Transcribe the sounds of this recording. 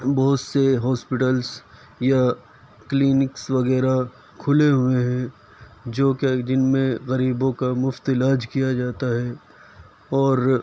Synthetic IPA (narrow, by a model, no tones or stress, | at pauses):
bɐɦʊt̪seɦɔːspɪʈəls | ja | kliːnɪksʋɐɣɛːɾa | kʰʊleɦʊeɦɛ̃ | d͡ʒoːked͡ʒɪnmẽɣɐɾiːbõkamʊft̪ɪlaːd͡ʒkijad͡ʒaːt̪aɦɛː | ɔːɾ